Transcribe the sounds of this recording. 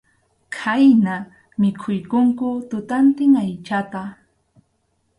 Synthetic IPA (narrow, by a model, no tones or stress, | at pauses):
kʰajna | mɪkʰʊjkʊŋkʊt̪ʊt̪ant̪ɪŋajt͡ʃat̪a